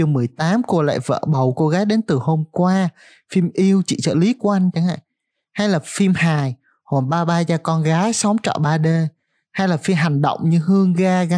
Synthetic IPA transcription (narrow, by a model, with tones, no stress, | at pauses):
ɨ˨˩əmɨ˨˩əjt̪aː˨˦mku˧˩əla̰ː˧˨jvə̰ː˧˨ɓə˨˩wko˧ɣaː˨˦jɗe˨˦nt̪ɨ˨˩ho˧mkwaː˧ | fi˧mʔi˧əwt͡ɕḭ˧˨sə̰ː˧˩li˨˦ku˧˦ʔa˧jŋ̟t͡ɕa˨˦ŋa̰ː˧˨j | ha˧jlaː˨˩fi˧mhaː˨˩j | ho˨˩nɓaː˧ɓaː˧zaː˧kɔ˧nɣaː˨˦jsə˨˦wŋ͡mt͡ɕɔ̰ː˧˨ɓaː˧ɗe˧ | ha˧jlaː˨˩fi˧mɦa˨˩jŋ̟ɗə̰˧˨wŋ͡mɲɨ˧hɨ˧əŋɣaː˧ɣa˨˦